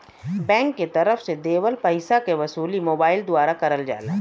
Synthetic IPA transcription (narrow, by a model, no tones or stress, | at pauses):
bɛ̃ːŋkːet̪ɐɾəfsed̪eːʋəlpɐɦɪsakeʋɐsuːlimoːbaːɪld̪ʊaːɾakɐɾəld͡ʒa̰ːlaː